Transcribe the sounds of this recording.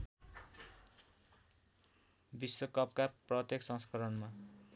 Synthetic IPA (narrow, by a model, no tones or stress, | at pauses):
biswʌkʌpkaprʌt̪jeksʌ̃ŋskʌɾʌnma